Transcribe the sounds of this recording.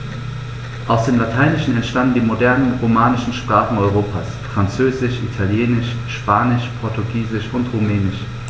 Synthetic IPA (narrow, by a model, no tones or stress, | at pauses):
ʔaʊsd̥eːmlatʰaɪnɪʃn̩ɛntʃtandn̩diːmodɛɐnənʁomaːnɪʃn̩ʃpʁ̥aːχn̩ɔʏʁ̞oːpʰaːsfʁ̥ant͡søːzɪʃʔḭtʰaljeːnɪʃ | ʃpaːnɪʃpʰɔɐtuɡiːzɪʃʊntʁumɛːnɪʃ